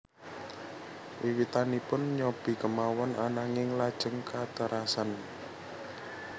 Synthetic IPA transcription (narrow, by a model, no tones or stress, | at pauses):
ʔiwit̪anipʊnɲɔb̥i̤kəmawɔnanaŋɪŋlad̥ʒ̥əŋkʰat̪əɾʔasan